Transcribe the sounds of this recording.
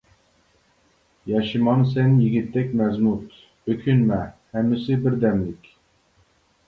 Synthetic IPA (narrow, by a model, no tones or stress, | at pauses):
jɑʃɨmɑnsɛnjiɡʲit̪ːɛkʲmɛzmut̪ | økʲʰynmɛhɛmːɪsɪbɪɾd̪ɛmlɪkʲ